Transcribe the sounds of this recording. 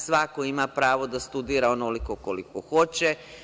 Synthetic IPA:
sʋakoimapɾaːʋo̞d̪ast̪ud̪iːɾaonolikokolikoxo̞t͡ɕe

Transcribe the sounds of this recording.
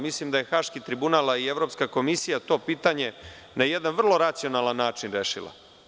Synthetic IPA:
mislimd̪aje̞xaːʃkit̪ɾibunaːlaie̞ʋɾo̞pskako̞misijat̪o̞ːpiːt̪aɲe̞ | najed̪anʋr̩lo̞ɾat̪sio̞nalˠanːaːt͡ʂinɾeːʃḭlˠa̰

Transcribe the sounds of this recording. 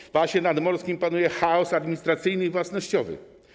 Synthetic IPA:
vwaɕɲɛnad̪mɔɾskʲimpanujɛxaɔsad̪mʲiɲist̪ɾat̪sɘjnɘivwasnɔɕt͡ɕɔvɘ̰

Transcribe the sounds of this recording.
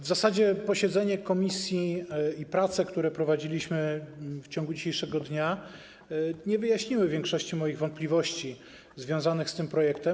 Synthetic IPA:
vzasad͡ʑɛpɔɕɛd̪zɛɲɛkɔmʲisʲjiipɾat̪sɛkt̪uɾɛpɾɔvad͡ʑilʲiɕmɘft͡ɕɔ̃ŋɡud͡ʑiɕejʂɛɡɔd̪ɲa | ɲɛvɘjaɕɲiwɘvʲjɛŋkʂɔɕt͡ɕimɔjiɣvɔnt̪̚pʲlʲivɔɕt͡ɕi | zvʲjɔ̃w̃zanɘxst̪ɘmpɾɔjɛkt̪ɛm

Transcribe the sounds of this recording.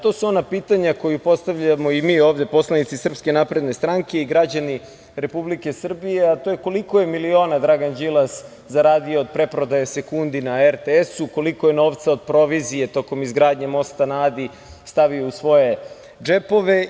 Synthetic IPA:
t̪o̞ːsuo̞napiːt̪aɲako̞jupo̞st̪aʋʎamo̞imiːo̞ːʋd̪e̞po̞slˠanit̪sisr̩pske̞napɾe̞d̪ne̞st̪ɾaŋke̞iɡɾad͡ʑani | ɾe̞publike̞sr̩bije̞at̪ojeko̞liko̞je̞milio̞ːnad̪ɾaɡand͡ʒilˠas | zaɾaːd̪ioːd̪̚pɾe̞pɾod̪ajese̞kund̪inaeɾt̪eesuko̞liko̞je̞no̞ːʋt̪sao̞d̪̚pɾo̞ʋizije̞t̪o̞ko̞mizɡɾaːd̪ɲemo̞st̪anaːd̪i | st̪aʋiuusʋo̞je̞ | d͡ʒe̞po̞ʋe

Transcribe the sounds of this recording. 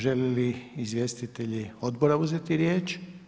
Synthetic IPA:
ʒeliliizʋʲje̞st̪it̪e̞ʎio̞d̪boɾauzet̪iɾje̞ːt͡ʃ

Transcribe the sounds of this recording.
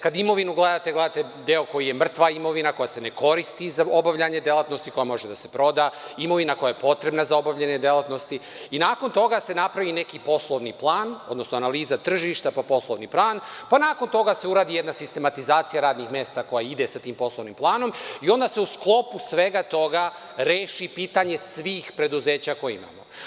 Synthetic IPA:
kad̪imo̞ʋinuɡle̞d̪at̪eɡledaːt̪e | d̪eːo̞ko̞jije̞mr̩t̪ʋaimo̞ʋinako̞jase̞ne̞ko̞ɾist̪izaobaʋʎaɲe̞d̪elˠat̪nost̪iko̞jamo̞ʒed̪ase̞pɾo̞d̪aːimo̞ʋinako̞jajepo̞t̪ɾebnazao̞baʋʎaɲed̪elat̪no̞st̪i | inaːko̞nt̪o̞ɡase̞napɾaʋine̞kipo̞slˠoʋniplˠaːno̞d̪no̞snoanaliːzat̪r̩ʒiʃt̪apapo̞slˠoʋniplˠaːnpanaːko̞nt̪o̞ɡase̞uɾaːd̪ijed̪nasist̪e̞mat̪izaːt̪sijaɾaːd̪nixmʲje̞ːst̪ako̞jaid̪esat̪iːmpo̞slˠoʋnimplˠaːno̞mio̞nd̪aseusklˠo̞pusʋe̞ɡat̪o̞ɡa | ɾeːʃipiːt̪aɲe̞sʋiːxpɾe̞d̪uze̞ːt͡ɕako̞jeḭma̰ːmo

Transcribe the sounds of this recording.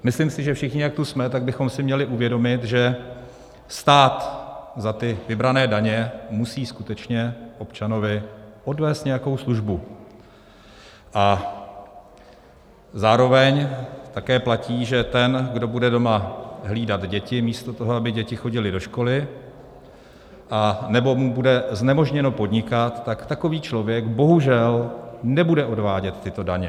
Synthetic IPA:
mɪslɪmsɪʒɛfʃɪxɲɪjak̚t̪usmɛt̪aɡ̚bɪxo̞msɪmɲɛlɪʔuvjɛdo̞mɪt̪ʒɛ | st̪aːt̪zat̪ɪvɪbɾanɛːdaɲɛmusiːskut̪ɛt͡ʃɲɛʔo̞pt͡ʃano̞vɪʔo̞dvɛːst̪ɲɛjako̞wsluʒbu | ʔa | zaːɾo̞vɛɲt̪akɛːplaciːʒɛt̪ɛnɡdo̞budɛdo̞maɦliːdat̪ɟɛcɪmiːst̪o̞t̪o̞ɦoabɪɟɛcɪxo̞ɟɪlɪdo̞ʃko̞lɪ | ʔanɛbo̞mubudɛznɛmo̞ʒɲɛno̞po̞dɲɪkat̪ːakt̪ako̞viːt͡ʃlo̞vjɛɡbo̞ɦuʒɛlnɛbudɛʔo̞dvaːɟɛt̪ːɪt̪o̞daɲɛ

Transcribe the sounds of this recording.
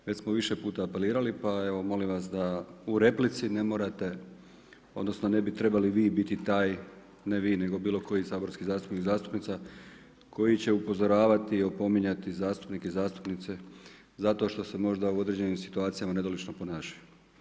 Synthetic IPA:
ʋet͡ɕsmoʋiʃepuːt̪aːpe̞liːɾalipae̞ʋo̞mo̞limʋasd̪auɾe̞plit̪sine̞mo̞ːɾat̪e̞ | o̞d̪no̞sno̞ne̞bit̪ɾe̞baliʋiːbit̪it̪aːj | neʋiːne̞ɡo̞biːlˠo̞ko̞jisaːbo̞ɾskizaːst̪upnixzaːst̪u̥pnit̪sa | kʰo̞jit͡ɕe̞upo̞zo̞ɾaːʋat̪io̞po̞miɲat̪izaːst̪u̥pnikezaːst̪u̥pnit̪se̞ | zat̪o̞ʃt̪o̞se̞mo̞ʒd̪auo̞d̪ɾe̞d͡ʑe̞nimsi̥t̪uaːt̪sijamane̞d̪olit͡ʃnopo̞naːʃaju

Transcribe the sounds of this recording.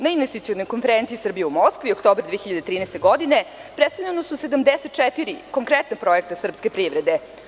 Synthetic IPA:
nainʋest̪it̪sionojkonfeɾent̪sisr̩bijɛumoskʋiokt̪oːbɾd̪ʋeeçiʎad̪et̪ɾiːnɛst̪e̞ɡod̪inepɾest̪aʎanosused̪amd̪eset̪̚t͡ʃɛt̪iɾiko̞ŋkɾɛt̪napɾoek̚t̪asr̩pskepɾiʋɾed̪e

